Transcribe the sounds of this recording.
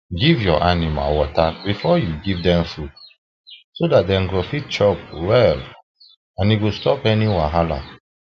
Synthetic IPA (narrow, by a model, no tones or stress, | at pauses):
ɡivjɔʔanima̰wɔtabifɔjuɡivdɛ̃mfut | sodat̚dɛ̃mɡɹofit̚t͡ʃɔpwɛl | ãniɡostɔpɛniwãɦala̰